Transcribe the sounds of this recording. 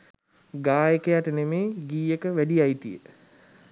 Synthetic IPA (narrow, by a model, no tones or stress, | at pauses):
ɡaːjekəjaʈənemeːɡiːjekəʋæɖiajt̪ijə